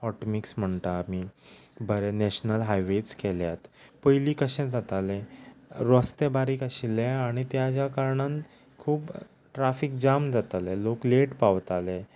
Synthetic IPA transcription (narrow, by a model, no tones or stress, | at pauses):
ɔʈmiksm̤əɳt̪aːmiːbʱəɾɛnɛɕnəlɦajʋet͡skɛljat̪pəjliːkəɕɛ̃d͡zat̪alɛ̃ɾɔst̪ebaɾiːkaɕilɛaɽ̃it̪jad͡ʑjakaɾɳan | kʰuːb | ʈɾafik̚d͡ʑamd͡zat̪alɛlokleʈpaʋt̪alɛ̃